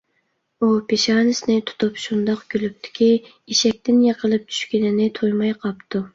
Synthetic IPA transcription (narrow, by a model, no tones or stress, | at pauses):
upʰeʃɑːnɨsɪnɪt̪ʰu̥t̪ʰupʃund̪ɑqɡʲylyp̚t̪ʰɪ̥kʲʰi | iʃɛk̚ʲt̪ʰɪnjɑqʰəlˠɨp̚t͡ʃʰy̥ʃkʲinɪnɪt̪ʰojmɑjqʰɑpt̪ʰu